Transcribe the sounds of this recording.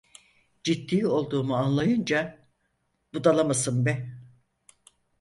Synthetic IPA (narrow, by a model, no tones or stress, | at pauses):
d͡ʒit̪ːiːo̞lˠd̪uːmuanlˠajɯnd͡ʒa | bud̪alˠamasɯnbɛ